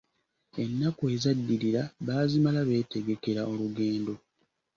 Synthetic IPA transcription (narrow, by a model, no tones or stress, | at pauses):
e̞nːakuezadːiɾiɾaβaːzimalaβe̞ːte̞ɡe̞ke̞ɾao̞luɡe̞ːndo̞